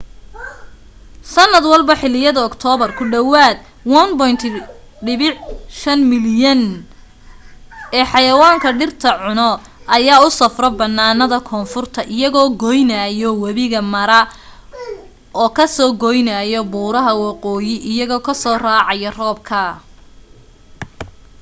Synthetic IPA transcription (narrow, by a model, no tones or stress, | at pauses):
sɐnːɐd̪wɑlbɐħɪlɪjɐðɐːkt̪ʰɔːβɐrkʰʊɖɐwaːd̪ | wɐnbɔjnt̪ʰ | ɖɪβɪʕʃɐnmɪljɐn | ɛːħɑjɐwaːŋkʰɐɖɪrt̪ʰɐʕʊnɔ | ɐjaːʊsɐfrɔbɐnːaːnɐðɐkʰɔːnfʊrt̪ʰɐʔɪjɐɣɔːɡɔjnɐjɔwɐβɪɣɐmɐɾɐ | ɔːkʰɐsɔːɡɔjnɐjɔbuːɾɐɦɐwɑqɔːjɪʔɪjɐɣɔːkʰɐsɔːraːʕɑjɐrɔːb̚kʰɐ